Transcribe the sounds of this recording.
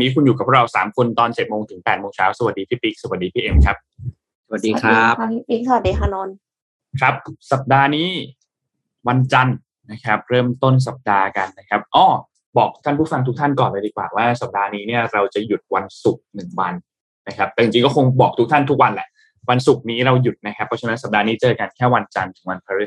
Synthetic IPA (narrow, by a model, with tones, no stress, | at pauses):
niː˦˥kʰu˧njuː˨˩ka˩pʰːɾa˧wsaː˩˦mkʰu˧nt̪ɔː˧nt͡ɕe˨˩t̪̚moː˧ŋt̪ʰɯ˩˦ŋpɛː˨˩t̪̚moː˧ŋt͡ɕʰaː˦˥wsa˧wa˨˩diː˧p̪ʰiː˦˥˩pi˦˥k̚sa˨˩wa˨˩t̚diː˧˩iː˥˩ʔe˧mkʰa˦˥p̚ | wa˨˩diː˧˨a˧˦˥iː˧˩ŋsa˧wa˨˩t̚diː˧kʰa˧nɔː˧n | kʰɾa˦˥p̚sa˨˩p̚daː˧niː˦˥ | wa˧nt͡ɕa˧n | na˦˥kʰa˦˥p̚ɾɤː˥˩mt̪o˥˩ns̬a˨˩p̚daː˧ka˧nːa˦˥kʰa˦˥p̚ʔɔː˧˩ | bɔː˨˩k̚t̪ʰaː˥˩npʰuː˥˩fa˧ŋt̪ʰu˦˥kt̪ʰa˥˩nkɔː˨˩nlaː˧diː˨˧˩kwaː˨˩waː˥˩sa˨˩p̚daː˧niː˦˥ni˥˩ɐɾa˧wt͡ɕa˨˩ju˨˩t̪̚wa˧nsu˨˩k̚nɯ˨˩ŋwa˧nː | a˦˥kʰa˦˥p̚t̪ɛ˨˩t͡ɕi˨˩t͡ɕi˧kɔː˥˩kʰo˧ŋbɔː˨˩k̚t̪ʰu˦˥kt̪ʰa˥˩nt̪ʰu˦˥k̚wa˧nlɛ˨˩ʔ | wa˧nsu˨˩k̚niː˦˥ɾa˧wju˨˩t̪̚na˦˥kʰa˦˥pʰːɔ˦˥t͡ɕa˧na˦˥nsa˨˩p̚daː˧niː˦˥t͡ɕɤː˧ka˧nkʰɛː˥˩wa˧nt͡ɕa˧nt̪ʰɯ˩˦ŋwa˧npʰa˧ɾi˥˩